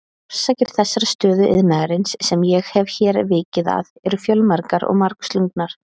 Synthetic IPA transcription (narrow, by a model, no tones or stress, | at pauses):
ɔɾ̥saːcɪɾ̥θɛsːaɾast̪œːðʏʔɪ̰ðnaɣaɾɪnsːɛmjɛɣhɛvçɛːɾvɪːcɪða̰ðɛɾʏfjœlmaɾkaɾɔ̰ɣmaɾkst̪luŋknaɾ̥